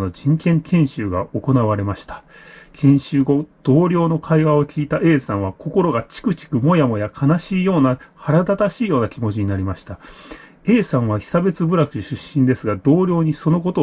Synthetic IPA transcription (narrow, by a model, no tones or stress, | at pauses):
no̞d͡ʑĩŋkẽ̞ŋkʰẽ̞ɰ̃ɕɨːɡao̞ko̞naβaɾe̞maɕi̥t̪ḁ | kʰẽ̞ɰ̃ɕɨːɡo̞d̪̥o̞ːɾʲo̞ːno̞kʰaiβao̞kʲiːt̪aʔe̞ːsãɰ̃β̞akʰo̞ko̞ɾo̞ɡat͡ɕi̥kɯ̟t͡ɕi̥kɯ̟mo̞jamo̞jakʰanaɕiːjo̞ːnahaɾad̪at̪aɕiːjo̞ːnakʲimo̞t͡ɕiɲ̟inaɾʲimaɕi̥t̪a | e̞ːsãɰ̃β̞açi̥sabe̞t͡sɨbɯ̟ɾakɯ̟ɕɨɕːĩnd̪e̞sɨɡad̪o̞ːɾʲo̞ːɲ̟iso̞no̞ko̞t̪o